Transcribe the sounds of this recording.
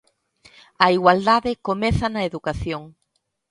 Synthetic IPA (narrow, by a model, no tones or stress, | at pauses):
ɐiɣwald̪aðɪkomɛθɐnɐeðukaθjoŋ